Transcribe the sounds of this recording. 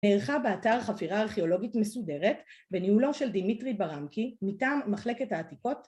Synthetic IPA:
neːʁχabeataʁχafiʁaːʁχeo̞lo̞ɡitme̞sude̞ʁetbe̞nihulo̞ʃe̞ldimitʁibaʁamkimitaːmːaχle̞ketaːtiko̞t

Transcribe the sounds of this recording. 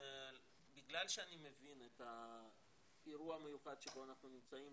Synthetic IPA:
biɡlalʃeanime̞vineta | piɾuamejuχad̪ʃebo̞anaχnunimt͡saim

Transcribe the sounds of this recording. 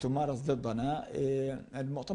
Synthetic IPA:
t̪ʊmɑːɾˤɑsˤd̪ɨd̪ˤːɑna | ɪlmʊʔt̪a

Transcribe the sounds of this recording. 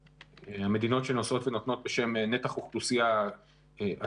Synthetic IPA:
eame̞d̪ino̞tʃenoso̞t̪venot̪no̞t̪̚be̞ʃe̞mne̞taχuχdusia | ʔa

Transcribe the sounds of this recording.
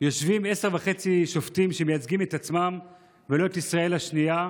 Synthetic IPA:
jo̞ʃvime̞seʁvaχe̞t͡siʃo̞ft̪imʃemejat͡sɡimet̪at͡smam | velo̞et̪isʁae̞lhaʃnia

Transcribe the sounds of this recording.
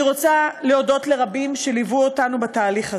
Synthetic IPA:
iʁo̞t͡saleo̞do̞tle̞ʁabimʃelivuotanubataːliχa

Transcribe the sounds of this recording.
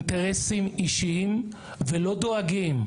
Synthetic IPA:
nt̪eʁesimiʃiim | velo̞d̪o̞aɡim

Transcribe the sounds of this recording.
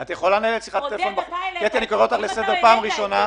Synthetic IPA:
at̪jeχo̞lanaelesiχat̪elefo̞nbaχukiet̪ianikoʁeot̪aχle̞sed̪e̞ʁpaːmʁiʃo̞na

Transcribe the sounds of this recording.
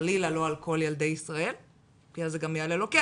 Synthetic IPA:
lilalo̞alko̞ljeld̪e̞jisʁae̞l | kiazeɡamijaleloke

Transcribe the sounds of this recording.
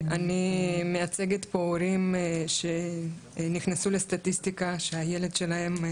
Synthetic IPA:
animeat͡se̞ɡet̪pouɾimʃe̞ | niχnasulest̪at̪ist̪ikaʃeaje̞le̞d̪ʃe̞laɦe̞m

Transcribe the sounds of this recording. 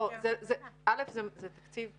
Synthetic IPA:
ozɛzɛalefzɛzet̪ḁkt͡siv

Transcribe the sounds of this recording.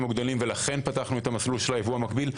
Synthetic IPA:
muɡd̪olimve̞laχe̞npataχnuet̪amasluʃelaevuamakbil

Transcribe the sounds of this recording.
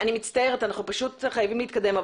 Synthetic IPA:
animitt͡st̪aeʁet̪anaχnupaʃutχajavimliːt̪kad̪e̞mav

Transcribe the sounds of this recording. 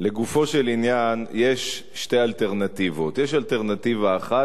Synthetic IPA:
le̞ɡufo̞ʃe̞linjanje̞ʃː | te̞jalteʁnat̪ivo̞t̪jeʃalteʁnativaːχa

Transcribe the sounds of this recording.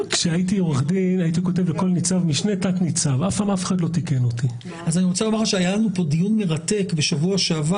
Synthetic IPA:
kʃeajit̬ioʁaχd̪inajit̪̬iko̞te̞vleko̞lnit͡savmiʃne̞taknit͡savafpaːmafeχadlo̞t̪ike̞no̞ti | azaniʁo̞t͡salamaʁaʃeajalanupo̞dijunme̞ʁate̞kbe̞ʃavuaʃava

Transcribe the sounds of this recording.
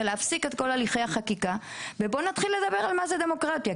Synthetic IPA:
eleafsiket̪ko̞laliχe̞jaχakikavebo̞nat̪χilːe̞d̪abe̞ʁalmaze̞d̪e̞mo̞kʁatja

